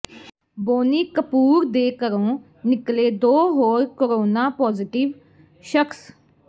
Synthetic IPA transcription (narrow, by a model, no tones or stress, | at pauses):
boːniːkəpuːɾd̪eːkəɾõː | nɪkleːd̪oːɦoːɾkəɾoːnaːpɔːzɪʈɪʋ | ʃəkʰs